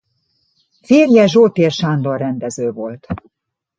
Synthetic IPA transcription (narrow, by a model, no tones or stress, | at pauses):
feːrjɛʒoːt̪eːrʃand̪orːɛnd̪ɛzøːvo̞lt̪